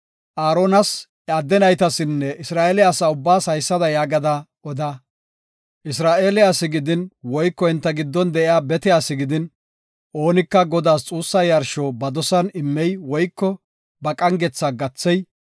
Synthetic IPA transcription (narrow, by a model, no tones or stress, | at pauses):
ʔaːɾoːnɐs | aːd̪ːɛnɐjt̪ɐsɪnːɛʔɪsɾaːʔeːlɪjaːsɐʊbːaːsɐjsːɐd̪ɐjaːɡɐd̪ɐʔɔd̪ɐ | ʔɪs̬ɾaːʔe̞ːlɪjaːsːɪɡɪd̪ɪnwɔjkːɔhɪnt̪ːɐɡɪd̪ːɔnd̪ɛʔɪjaːbɛt̪ɪjaːsɪɡɪd̪ɪn | ʔo̞ːnɪkːɐɡɔd̪aːst͡sʼuːsːɐjɐɾʃoːbɐd̪ɔsɐnɪmːɛjwɔjkːɔ | bɐkʼɐŋɡɛt͡sːaɡɐt͡sːɛj